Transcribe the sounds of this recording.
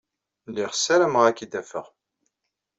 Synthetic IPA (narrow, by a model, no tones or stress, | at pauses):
lːiʁsæɾəmʁækid̪æfəʁ